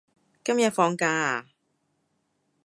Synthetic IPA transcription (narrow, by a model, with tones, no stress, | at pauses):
kɐ˥mjɐ˨t̚fɔː˧ŋkaː˧˨